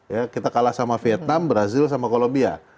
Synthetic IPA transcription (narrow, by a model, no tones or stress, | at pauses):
jakit̪akalahsamafiɛt̪̚nambəɾazɪls̬amakolombia̰